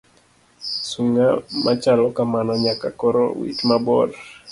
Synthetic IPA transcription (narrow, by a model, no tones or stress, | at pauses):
suŋamʔat͡ʃalɔkamanɔɲakakɔɾo̰wḭt͡ʃmabɔɾ